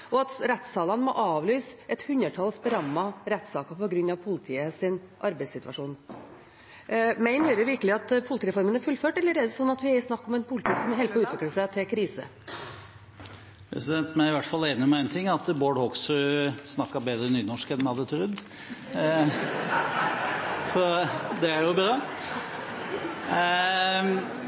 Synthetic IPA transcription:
ʔɔɑt̪ɾɛt̪sɑːlɑnmɔ̰ʔɑːʋlyːsʔɛt̪hʉnɾəʈʰɑlsbəɾɑmːɑɾɛt̪sɑːkəpɔɡɾʉnːɑʋpʰʊlɪt̪ʰiːəsɪn | ʔɑɾbæɪsɪt̪ʉʋɑ̰ʂuːn | mæɪnhøːɾəɾʋɪɾkəlɪɑt̪pʰʊlt̪iːɾɛfɔɾmənæɾfʉlføːʈɛlːəɾɛd̪əsɔnːɑt̪ʋɪæsnɑkːɔmɛnpʰʊlɪt̪ʰiːsɔmhɛlpɔʉːt̪ʋɪkləsæɪt̪ʰɪlkʰɾiːsə̰ | pʰɾɛ̰sɪd̪ɛnt̪mæɪʋæʈfɑlːeːnəmɛæɪnt̪ʰɪŋːɑt̪boːɖhɔksɔsnɑkːɑbeːd̪ɾənyːnɔʂkɛnmhɑd̪ːət̪ʰɾʉd̪ | sɔd̪ɛæɾjʊbɾɑː

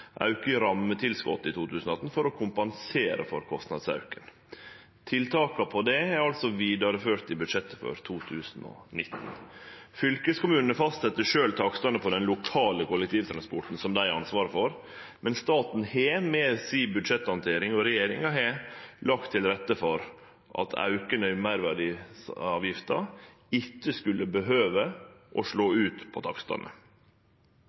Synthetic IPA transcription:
ʔɑ̰ʉkəɾɑmːət̪ʰɪlskɔ̰t̪ːɪt̪ʰuːt̪ʰʉːsn̩ɔɑt̪n̩fɔɾɔkʰʊmpɑnseːɾə̰fɔ̰ɾkʰɔst̪nɑ̰d̪sɑ̰ʉkən | t̪ʰɪlt̪ʰɑːkɑpʰɔd̪ɛæɑlt̪sɔʋiːd̪ɑɾəføːʈ̪ɪbʉd̪ʂɛt̪ːəfɔ̰ɾt̪ʰuːt̪ʰʉːsnɔ̰nɪt̪ːn̩fʏlkəskʊmʉːnənəfɑst̪sɛt̪ːəʂøːlt̪ʰɑːkst̪ɑnəpʰɔd̪ɛnlʊkʰɑːləkʰʊlːɛk̚t̪ʰiːʋt̪ʰɾɑnspɔʈn̩sɔmd̪æɪɑnsʋɑːɾəfɔɾ | mʔɛnst̪ɑːt̪n̩heːmeːsiːbʉd̪ʂɛt̪ːɑnt̪ʰeːɾɪŋɔɾɛjeːɾɪŋɑɦeːlɑkt̪ʰːɪlɾɛt̪ːəfɔɾ | ʔɑ̰t̪ʰɑ̰ʉkənəɪmæɪɾʋæɖɪɑːʋjɪft̪ɑ | ɪtːəskʉlːəbəɦøːʋəʔɔʂɭoːʉːt̪pʰɔt̪ʰɑkst̪ɑ̰nʔə̰

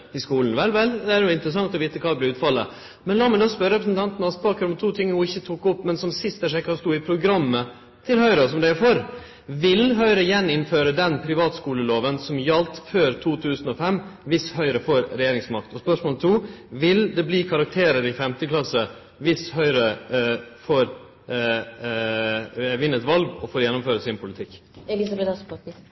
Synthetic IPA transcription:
ɪskuːln̩ʋɛlʋɛld̪ɛæɾjʊɪnt̪əɾəs̬ɑŋt̪ɔʋiːt̪əkʰɑːd̪ɛblɪʉːt̪fɑlːə̰ | mɛnlɑːmɪd̪ospœɾəɾɛpɾəsnt̪ʰɑnt̪nɑt̪spɑːkəɾɔmt̪ʰuːt̪ʰɪŋːnuːɪçːət̪ʰuːkːʊpːmɛnsɔmsɪst̪əʂɛkːɑst̪uːɪpʰɾʊɡɾɑmːə | t̪ʰɪlhœʏɾɑsɔmd̪æɪæfɔɾ | ʋɪlɦœʏɾəjɛnːɪnføːɾəd̪ɛnpʰɾɪʋɑːt̪skuːləloːʋənsɔmjɑlt̪føːɾt̪ʰuːt̪ʰʉːsn̩ɔfɛmːʋɪshœʏɾəfɔɾɾɛjeːɾɪŋsmɑk̚t̪ɔspœʂmoːlt̪ʰuːʋɪld̪ɛbliːkʰɑɾɑk̚t̪ʰeːɾəɾɪfɛmt̪əklɑsə | ʋɪshœʏɾə | foːɾ | ʋɪnːət̪ʋɑlɡɔfoːɾjɛnːʊmføːɾəsɪnpʰʊlɪt̪ʰɪkːɛlɪsɑbɛt̪ɑp̪

